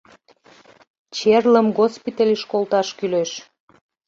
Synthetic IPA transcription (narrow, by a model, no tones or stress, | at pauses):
t͡ɕerləmɡospit̪elʲiʃkolˠt̪ɑʃkyleʃ